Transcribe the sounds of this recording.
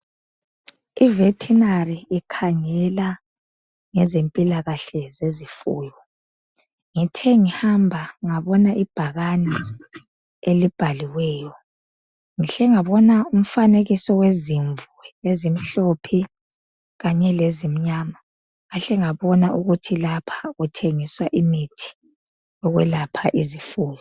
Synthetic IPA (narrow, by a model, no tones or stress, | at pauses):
ivetʰinariikʰaŋɛla | ŋɛzempʼilaɣaɬɛzezifuːjɔ | ŋitʰɛŋihambʱaŋaβɔnaʔib̥ʱaɣanɛ | elib̥ʱaliwɛːjɔ | ŋiɬɛŋaβɔnaum̩faneɣisɔweziɱvuezim̩ɬopʰi | ɣaɲɛlezim̩ɲama | ɣaɬɛŋaβɔnaʔuɣutʰilapʰḁɣutʰeŋiswaʔimitʰi̥ | ɔɣwɛlapʰaʔizifuːjɔ